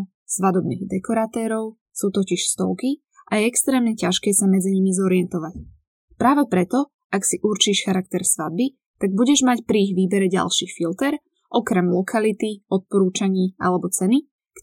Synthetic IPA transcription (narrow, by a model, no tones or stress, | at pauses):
sʋad̪ɔbnḭːɣd̪ɛkɔɾat̪ɛːɾɔʊ | suːt̪ɔciʃst̪ɔ̰lki | ajɛɛkst̪ɾɛːmɲɛcaʃkɛːsamɛd͡ziɲimizɔɾiɛnt̪ɔʋac | pɾaːʋɛpɾɛt̪ɔ | aksiʔuɾt͡ʃiːʃxaɾak̚t̪ɛɾsʋad̪̚bi | t̪aɡ̚buɟɛʒmacpɾiːɣʋiːbɛɾɛɟa̰lʃiːxfilt̪ɛɾ | ʔɔkɾɛmlɔkʰalit̪iɔt̪̚pɔɾuːt͡ʃaɲiːa̰lɛbɔt͡sɛni | k